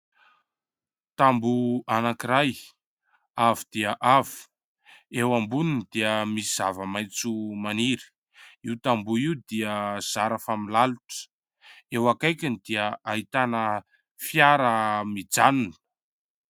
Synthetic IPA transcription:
t̪ambuanakiɾaj | avid̪̥iəʔavu̥ | ewambunind̪̥iəmisiz̥avəmajt͡sumaniɾi̥ | iwt̪ambuiwd̪iəz̥aɾafamilaluʈ͡ʂə̥ | ewakajkʲinid̪̥iəaɦit̪anə | fjaɾəmid͡zanunə

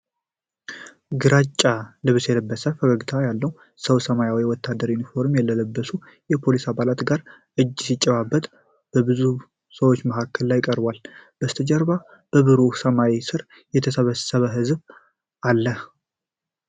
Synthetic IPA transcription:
ɡɨɾat͡ʃʼːalɨβsjɛləbːəsəfəɡəɡt̪ʰajalːəw | səwsəmajawiwɔt̪ʰːad̪ːəɾjunifo̞ɾmjɛlːələbːəsu | jɛpʰo̞lisaβalat̪ɡaɾ | ʔɨd͡ʒːsit͡ʃʼːɛβabːət̪ʼ | b̥əbɨzu | səwo̞t͡ʃːməɦakʰːəllajkʼəɾbwalb̥əst̪ʰəd͡ʒɛɾba | b̥əβɨɾusəmaisɨɾ | jɛt̪ʰəsəβəsːəβəɦɨzb | ʔalːəh

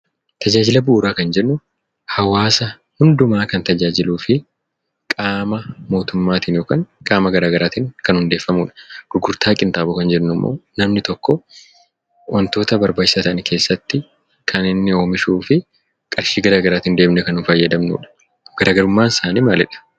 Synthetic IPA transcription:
t̪ʰɐd͡ʒaːd͡ʒɪlɐbʊːɾaːkɐnd͡ʒɛnːʊ | hɐwaːsɐ | hʊnd̪ʊmaːkɐnt̪ɐd͡ʒaːd͡ʒɪluːfɪ | kʼaːmɐmo̞ːt̪ʊmːaːt̪iːnjoːkaːŋkʼaːmɐɡɐɾaːɡɐɾaːt̪iːŋkɐnhʊnd̪e̞ːfːɐmṵːᶑɐ̥ɡ̥ʊɡʊɾt̪ʰaːkʼɪnt̪aːbʊkɐnd͡ʒɛnːʊmːo̰ːnɐmnɪt̪ɔkːɔ | wʔɐnt̪o̞ːt̪ɐbɐɾbaːd͡ʒɪsɐt̪ɐʔnɪkʰe̞ːsːɐt̪ːɪ | kʰɐnɪnːɪo̞ːmɪʃuːfɪ | kʼɐɾʃiːɡɐɾaːɡɐɾaːt̪iːnd̪e̞ːmnɛkɐnʊfɐjːɐd̪ɐmnṵːᶑɐ̥ | ɡ̥ɐɾaːɡɐɾʊmːaːnɪsaːniːmalɛᶑɐ̥

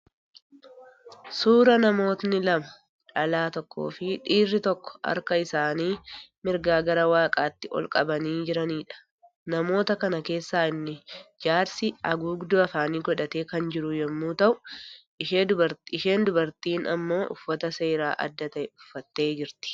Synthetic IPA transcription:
suːɾɐnɐmo̞ːt̪nɪlɐmɐ | ᶑɐlaːt̪ɔkːo̰ːfɪᶑiːrːɪt̪ɔkːɔ̥ɐ̰ɾkɐɪsaːniːmɪɾɡaːɡɐɾɐwaːkʼaːt̪ːɪʔɔ̰lkʼɐbɐniːd͡ʒɪɾɐniːᶑɐ̥ | nɐmo̞ːt̪ɐkɐnɐke̞ːsːaːɪnːɪd͡ʒaːɾsɪɐɡuːɡd̪ʊɐfaːniːɡɔᶑɐt̪e̞ːkɐnd͡ʒɪɾʊjɛmːuːt̪ɐʔʊʔɪʃeːd̪ʊbɐɾɪʃe̞ːnd̪ʊbɐɾt̪iːnɐ̰mːo̞ːʔʊ̰fːɐt̪ɐse̞ːɾaːʔɐ̰d̪ːɐt̪ɐʔɛʊfːɐt̪ːe̞ːd͡ʒɪɾt̪ɪ̥

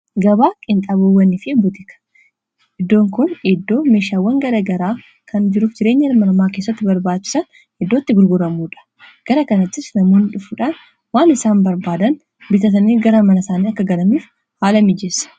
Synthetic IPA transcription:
ɡɐbaːkʼɪnt̪ʼaːbowːɐnːɪfɪbʊt̪ɪkɐ̥ | ʔɪd̪ːo̞ːŋkʊnɛd̪ːo̞ːme̞ːʃaːwːɐŋɡɐɾɐɡɐɾaː | kʰɐnd͡ʒɪɾuːfd͡ʒɪɾe̞ːɲːɐnmɐɾmaːke̞ːsːɐt̪ːɪbɐɾbaːt͡ʃːɪ̥sɐn | hɛd̪ːo̞ːt̪ːɪɡʊɾɡʊɾɐmuːᶑɐ̥ | ɡ̥ɐɾɐkɐnɐt͡ʃːɪsnɐmoːnᶑʊfuᶑaːn | waːnɪsaːnbɐɾbaːd̪ɐn | bɪt̪ɐt̪ɐniːɡɐɾɐmɐnɐsaːniɐkːɐɡɐlɐmiːf | haːlɐmɪd͡ʒɛsɐ̥

